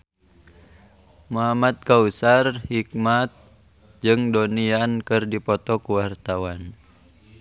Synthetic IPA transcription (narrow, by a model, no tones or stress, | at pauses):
muɦamat̪̚kausarhik̚mat̪̚ | d͡ʒɨŋdoniankɨrdipɔt̪ɔkuwart̪awan